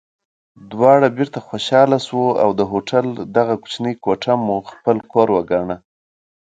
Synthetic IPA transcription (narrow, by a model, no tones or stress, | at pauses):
d̪wɑɽabɪɾt̪axwoʃɑlaswoa̰wd̪əɦoʈald̪aɣaku̥t͡ʃnəjkoʈamuxpəlkʰoɾwəɡaɳa